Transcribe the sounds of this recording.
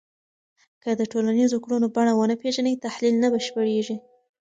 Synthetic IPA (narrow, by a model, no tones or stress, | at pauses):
kəd̪əʈolanizokɽunobaɳawənəpeʒanəjt̪ahlilnabəʃpəɽeʒi